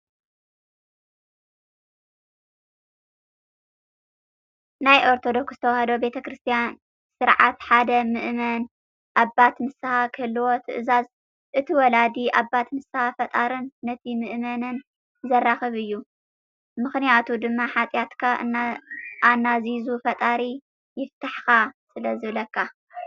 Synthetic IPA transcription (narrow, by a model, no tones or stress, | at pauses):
najʔo̞ɾt̪ʰo̞d̪o̞kszɨt̪ʰɐwhɐd̪obe̞t̪ʰɐkɾɨst̪ʰijan | sɨɾʕat̪ħad̪ɐmɨʔmɐn | ʔaβːat̪mɨsɨhakʰɨlːɨwot̪ʰɨʔɨzaz | ʔɨt̪ʰiwɔlad̪iʔabat̪mɨsɨhafɐt̪ʼaɾɨnːɐt̪ʰimɨʔmɐnɨn | zɐraxɨβɨjːu | mɨxnijat̪ʰud̪ɨmːaħat͡sʼjat̪kʰa | ʔanːazizufɐt̪ʼaɾi | jɪft̪ʰaħkasɨlɐzɨβlɐkːa